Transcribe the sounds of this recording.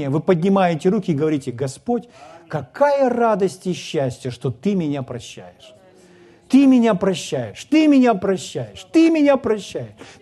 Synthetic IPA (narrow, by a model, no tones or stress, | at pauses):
ɪjəvɨpədʲnʲɪmajɪtʲɪɾukʲɪɪɡəvɐɾʲitʲɪɡɐspotʲkɐkajərad̪əsʲtʲɪɕːæsʲtʲjəʂt̪o̞t̪ɨmʲɪnʲapɾɐɕːæ̰jɪʂ | t̪ɨmʲɪnʲapɾɐɕːæjɪʂt̪ɨmʲɪnʲapɾɐɕːæjɪʂt̪ɨmʲɪnʲapɾɐɕːæjɪʂ